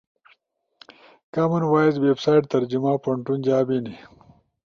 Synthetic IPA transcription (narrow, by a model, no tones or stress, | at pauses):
kamunwaːizweːbsaːjʈt̪ɐɾd͡ʑimapɐɳʈund͡ʑaːbini